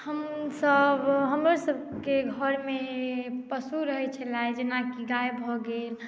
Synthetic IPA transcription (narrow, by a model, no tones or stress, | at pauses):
həmsəbɦəmɾəsəb | keɡʱəɾmepəsuɾəɦɛt͡ʃʰəlaed͡ʒenakiɡaebʱɔɡel